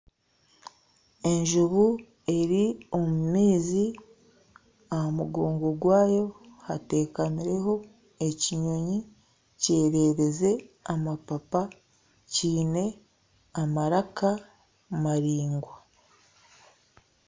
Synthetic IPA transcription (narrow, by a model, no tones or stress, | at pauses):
e̞ɲʒuβu | e̞ɾio̞mumiːzi | ahamuɡo̞ːŋɡo̞ɡwaːjo̞hate̞ːkaniɾe̞ho̞ | e̞ciɲo̞ɲi | ce̞ːɾe̞ːɾe̞ze̞amapapa | ciːne̞ | amaɾaka | maɾiːŋɡwa